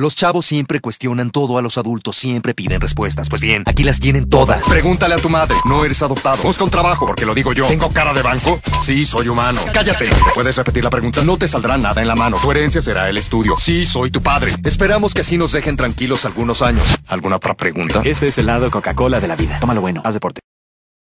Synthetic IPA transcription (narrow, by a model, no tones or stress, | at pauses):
lo̞st͡ʃaβo̞sːje̞mpɾe̞kwe̞st̪jo̞nant̪o̞ðoalo̞saðult̪o̞sːje̞mpɾe̞piðe̞nrespwe̞st̪aspwe̞zbje̞nakilast̪je̞ne̞nt̪o̞ða̰spɾe̞ɣunt̪aleat̪umaðɾe̞no̞e̞ɾe̞saðo̞p̚t̪aðobuskaunt̪ɾaβaxo̞po̞ɾke̞lo̞ðiɣo̞ʝo̞teŋɡo̞kaɾaðe̞βaŋko̞siso̞jumano̰kaʝat̪e̞pwe̞ðesre̞pet̪iɾlapɾe̞ɣunt̪ano̞t̪e̞sald̪ɾanaðaenlamãno̞koeɾe̞nsjase̞ɾae̞le̞st̪uðjo̞̰siso̞jt̪upaðɾe̞̰espe̞ɾamo̞skeasino̞zðe̞xe̞nt̪ɾaŋkilo̞salɣuno̞saɲo̞salɣunaot̪ɾapɾe̞ɣunt̪ae̞st̪eeselːaðokokako̞laðe̞laβiðat̪o̞malo̞βwe̞noazðepo̞ɾt̪e